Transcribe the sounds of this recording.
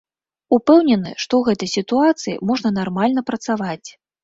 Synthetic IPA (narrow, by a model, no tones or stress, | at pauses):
upɛwnʲɛnɨ̰ʂt̪ɔwɣɛt̪ɐjsʲit̪uat̪sɨjḭmɔʐnɐnarmalʲnɐpɾɐt̪savat͡sʲ